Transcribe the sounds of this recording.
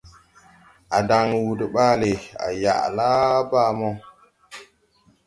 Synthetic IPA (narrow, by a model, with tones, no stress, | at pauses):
a˨da˨ŋwu˨dɓaː˦le˨a̰˨ja̰˨ʔla˦ba˦mɔ˦